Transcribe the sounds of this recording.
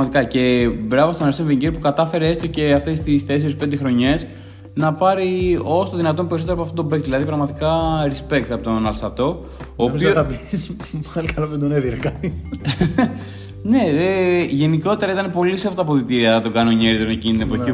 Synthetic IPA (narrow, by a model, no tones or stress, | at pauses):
ɐt̪ikɐce̞bɾɐvot̪onɐɾsenviɲɟiɾpukɐt̪ɐfe̞ɾeest̪oce̞ɐft̪est̪isθe̞s̬eɾisped̪exɾo̞ɲe̞s | nɐpɐɾio̞st̪oðinɐt̪̬o̞mpeɾis̬oteoɐpoɐft̪ot̪bek̚t̪ðilɐðipɾɐɣmɐt̪ikɐɾispe̞kt̪ɐpot̪onɐlst̪ɐt̪o̞ | oːpziobis | likɐloðend̪oneðiɾɐkɐt̪i | ne̞eʝe̞niko̞t̪e̞ɾɐit̪ɐne̞po̞lisoft̪ɐpoθit̪iɾiɐðɐt̪oɡɐnoɲeɾit̪oɾmecinit̪inepoi